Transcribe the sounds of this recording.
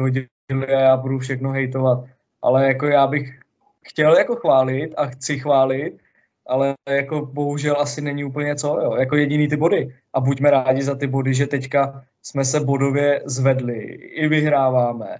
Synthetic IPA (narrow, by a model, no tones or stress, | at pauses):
ɦoɟ | ɪlɪajaːbudufʃɛxnoɦɛjt̪̬ovat̪̚ | ʔa̰lɛjako̞jaːbɪx | xcɛljako̞xvaːlɪt̪axt͡sɪxvaːlɪt̪̚ | ʔalɛjako̞bo̞ɦuʒɛlʔasɪnɛɲɪuːpl̩ɲɛt͡so̞jojako̞jɛɟɪniːt̪ɪbo̞dɪ | ʔabucmɛɾaːɟɪzat̪ɪbo̞dɪʒɛt̪ɛcka | smɛsɛbo̞do̞vjɛzvɛdlɪɪvɪɦɾaːvaːmɛ̰